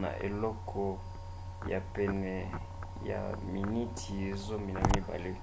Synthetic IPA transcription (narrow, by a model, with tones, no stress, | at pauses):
na̰˨ʔḛ˨lɔ˦kʰɔ˨ | ja˨pɛ˨nɛ˨ | ja̰˨mi˨ni˦tʰi˨e˨zo˦mi˨na˨mi˦ba̰˨le˦